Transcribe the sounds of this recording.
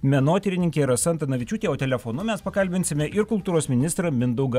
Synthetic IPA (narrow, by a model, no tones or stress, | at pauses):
mʲɛnoːt̪ʲɪɾʲɪnʲɪŋʲkʲeiɾɐsɐnt̪ɐnɐʋʲɪt͡ʃʲuːt̪ʲeːoːt̪ʲɛlʲɛfoːnʊmʲɛspɐkɐlʲbʲɪnʲsʲɪmʲɛʔɪɾkʊlˠt̪uːɾoːsmʲɪnʲɪst̪ɾɐmʲɪnd̪ɔʊɡɐ